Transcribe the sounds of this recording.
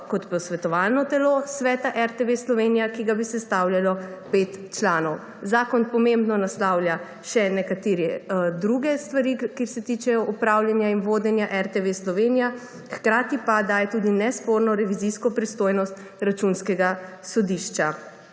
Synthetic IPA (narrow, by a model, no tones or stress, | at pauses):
kɔt̪pɔsʋɛt̪ɔʋalnɔt̪ɛlosʋɛːt̪aʔɛɾt̪ɛʋeslɔʋenijakiɡabisɛst̪awljalɔpet̪t͡ʃlanɔw | zaːkɔnpɔmembnɔnaslawlʲja | ʃɛnɛkat̪eːɾɛd̪ɾuɡɛst̪ʋaɾikeɾsɛt̪iːt͡ʃɛjɔʔupɾawljanjainʋoːd̪ɛnjaʔɛɾt̪ɛʋeslɔʋenija | xkɾaːt̪ipad̪aːjɛt̪uːd̪inɛspoɾnɔɾɛʋiziskɔpɾist̪oːjnɔst̪ | ɾat͡ʃunskɛɡasɔd̪iʃt͡ʃa